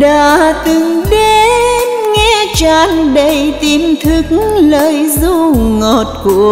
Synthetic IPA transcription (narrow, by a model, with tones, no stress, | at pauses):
ɗaː˧˨t̪ɨ˨˩ŋɗe˧nŋɛ˧˥t͡ɕaː˧nɗə˧˩jt̪i˧˩mt̪ʰɨ˧k̚ŋləː˧˨jzu˧ŋo˨˩t̚ku˧˩˨ə